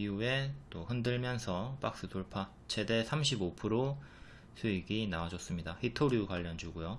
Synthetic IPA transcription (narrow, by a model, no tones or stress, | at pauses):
iue̞t͈ohɯndɯɭmjʌnsʰʌp͈ak̚s͈ɯtoɭpʰa | t͡ɕʰe̞de̞sʰamɕʰibopʰɯɾo | sʰuiɡinaad͡ʑʌs͈ɯmɲidaɸitʰoɾikwaʎːʌnd͡ʑuɡujo